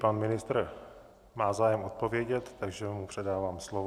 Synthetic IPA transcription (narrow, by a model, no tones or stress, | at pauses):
panmɪnɪst̪ɾ | maːzaːjɛmot̪̚po̞vjɛɟɛt̪ːaɡʒɛmupr̝̥ɛdaːvaːmslov